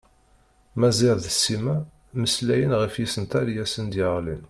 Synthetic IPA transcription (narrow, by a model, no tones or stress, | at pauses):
mæziɾðəsːimæ | məslæjənʁəfjisənt̪æɾjæsənd̪jəʁlin